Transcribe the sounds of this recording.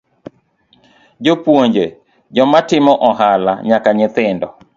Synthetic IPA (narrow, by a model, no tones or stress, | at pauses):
d͡ʒopwoɲd͡ʒe | d͡ʒɔmatɪmɔʔɔɦala̰ɲakaɲɪt̪ɪndɔ